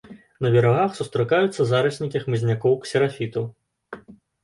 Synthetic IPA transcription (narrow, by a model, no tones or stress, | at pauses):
nɐvʲɛɾaɣaxsust̪ɾɨkajut̪sːɐzaɾɐsʲnʲikʲixmɨzʲnʲakɔwksʲɛɾafʲit̪u